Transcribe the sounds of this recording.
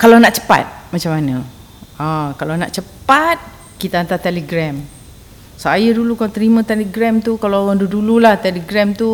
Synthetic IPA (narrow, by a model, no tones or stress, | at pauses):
kalawnaʔt͡ʃə̥pa̰t̪̚mat͡ʃamanə̃ | akalawna̰ʔt͡ʃəpat̪̚ | kit̪aant̪at̪eləɡɾɛm | sajədulukalat̪əɾimãt̪eləɡɾɛmt̪ukalaaŋdudululaht̪eləɡɾɛmt̪u